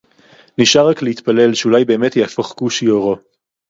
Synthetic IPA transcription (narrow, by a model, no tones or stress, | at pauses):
niʃaʁakleit̪pale̞lʃeulajbe̞ːmetjeafaχkuʃijoʁo